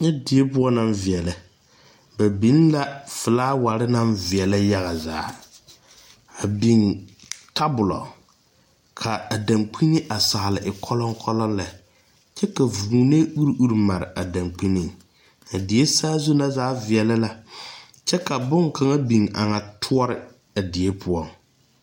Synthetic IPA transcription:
ɲɛ˦dɪ˨e˦pʊ˦ɔ˦na˦ɱvɪ˨ɛ˨lɛ˨ | ba˨bi˦n˦la˦fɨ˨laː˦wa˨ɾɪ˦na˦ɱvɪ˨ɛ˨la˦ja˦ɣa˨zaː˨˦ | a˨bi˨ŋ˨ta˦bʊ˨lɔ̰˨ | kʰa˨a˨da˨ŋk͡pʰi˦nɪ˦ʔa˨sa˨ha˨lɪ˨ʔɪ˨kʰɔ˦lɔ˦ŋ˦kʰɔ˦lɔ˦nla˨ | t͡ʃɛ˦ka˨vu˨u˨ne˦u˦ɾʔu˦ɾma˨ɾɪ̰˨ʔa˨da˨ŋk͡pi˦ni˦˨ŋ | a˨dɪ˨e˦saː˦zʊ˦na˦zaː˦vɪ˨ɛ˨la˦la˦ | t͡ʃɛ˦ka˨bʊ˦ŋkʰa˨ŋa˦bi˨ŋ˨a˨ŋa˨tʰʊ˦ɔ˦ɾɪ˨ | a˨dɪ˨e˦pʰʊ˦ɔ˦ŋ

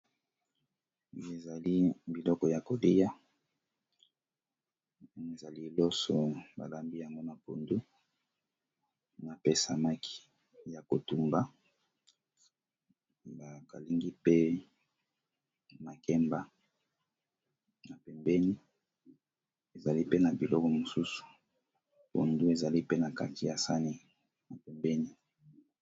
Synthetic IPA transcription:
e˨za˨li˦bi˨lɔ˦kɔ˨ja˨ko˨li˦ja˦ | me˨za˨li˦˨lo˦sɔ˨ba̰˨la˦mbi˦ja˨ŋɡo˦na˨po˨ndu˦ | na˨pe˦sa˨ma˦ki̥˦ | ja˨ko˨tu˨mba˦ | ba˨ka˨li˦ŋɡi˦pe˦ | na˨kɛ˦mba˦ | na˨pɛ˨mbɛ˦ni˦ | e˨za˨li˦pe˦na˨bi˨lɔ˦kɔ˦mo˨su˦su̥˨ | po̰˨ndu˦e˨za˨li˦pe˦na˨ka˦ti˨ja˨sa˦ni˨ | na˨pɛ˨mbɛ˦ni˦

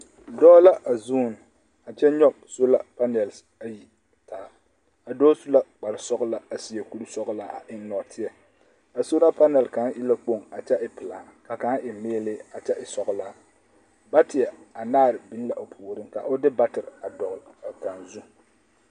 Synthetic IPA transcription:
dɔː˦la˦ʔa˨zu˦˨n˨ | a˨t͡ʃɛ˦ɲɔ˦bso˦la˦pa˦nɛ˨ls | a˨ji˨ | tʰaː˨˦ | a˨dɔː˦su˦la˦k͡pa˨ɾɪ˨sɔ˦ɡla˦a˨si˨ɛ˨ku˦ɾu˦sɔ˦ɣlaː˦a̰˨ʔɪ˦n˦nɔ˨tʰɪ˦ɛ˨ | a˨so˦la˦pa˦nɛ˨lka˨˦nʔɪ˦la˦k͡po˦˨ŋa˨t͡ʃɛ˦ɪ˨pɪ˨laː˨˦ka˨ka˨˦nʔɪ˨meː˦lɪ˦a˨t͡ʃɛ˦ʔɪ˨sɔ˨ɣlaː˦ | ba˦tɪ˨ɛ˨a˨naː˦˨ɾɪ˨bi˦la˨ʔo˨pʰuː˨ɾɪ˦ŋka̰˨ʔʊ˦dɪ˦ba˦tɪ˨ɾa˨dɔ˨ɣa˨ka˨nzu˦

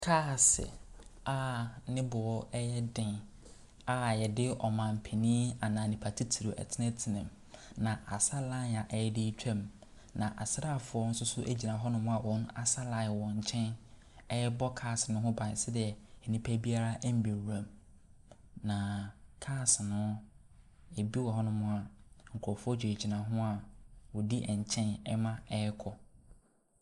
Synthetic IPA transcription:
kʰaː˦˨sɪ̰˨a˨nɪ̃˦bʊ˨ɔ˦ʔɛ˦jɛ˦dɪ̃˨n | a˨˦˨jɛ˨dɪ˦ɔ˨mã˨m̩˨pʰɛ˨nĩː˦a˨nã˨nɪ̃˨pʰa˨tʰi˦tʰi˨ɾo˨ʔæ̰˨tʰɪ˦nɛ̃˦tʰɪ˨nɪ̃˨m | nã˨ʔa˨sa˦la˦˨a˨ʔɛ˦jɛ˦dɪ˦t͡ɕᶣɛ̃˦˨m | nã˨ʔa˨sɾa˦˨fʊ˨ɔ˦n̩˦sʊ˦sʊ˦ʔe˦d͡ʑi˨nã˨ɦɔ˦nʊ̃˦m̃˦a˨wɔ̃˦n˦a˨sa˦la˨ɪ˨wɔ̃˨ɲ̩˨t͡ɕʰɛ̃˦n | ɛ˦bɔ˦kʰaː˦˨snʊ̃˦ɦʊ̃˦bã˨sɛ˦dɪ˨ɛ˨ɛ˨nĩ˦pʰæ˦bi˦a˦ɾa˦ʔm̩˨bi˨ɾæ̃˨m | nã˨kʰaː˦˨sɪ˨nʊ̃˦ | e˨bi˦wɔ˨ɦɔ˦nʊ̃˦mʊ̃˦a˨ŋ̩˨kʰɔ˨fʊ˦ɔ˦d͡ʑᶣɛ˨e˨d͡ʑi˨nã˨ɦʊ̃˦a˨wɔ˨di˦ʔɛ˨ɲ̩˨t͡ɕʰɛ̃˦nɛ˦mã˦ɛ˦kʰɔ˨

